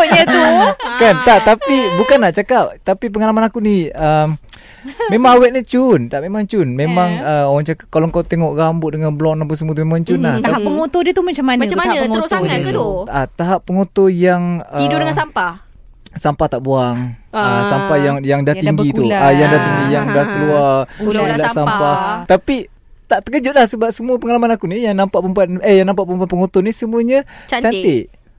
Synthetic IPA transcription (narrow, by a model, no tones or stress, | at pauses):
ɲat̪ukant̪aʔt̪apibukanːaʔt͡ʃakap̚t̪apip̬əŋalamanakuniəm | memãŋawɛʔ̚nit͡ʃunt̪aʔmemaŋt͡ʃunmemaŋəoɣaŋt͡ʃakap̚kaloŋkawt̪eŋɔʔɾambʊt̪̚dəŋanbəlɔknampusəmut̪umemaŋt͡ʃunlaht̪aapːəŋot̪odiət̪umat͡ʃamːanmaamŋosauat̪aɦapːəŋot̪ojaŋəiddəasampa | sampaht̪aʔbuaŋasampajaŋjaŋdaht̪iŋɡit̪uajaŋdaht̪iŋɡijaŋdahkəluaralasampat̪api | t̪aʔt̪əkəd͡ʒʊt̪̚lahsəbap̚səmuəpəŋalamanakunijaŋnampaʔpəmpat̪̚əjaŋnampaʔpəmpapəŋot̪onisəmuəɲət͡ʃ̪t͡ʃant̪ɪʔ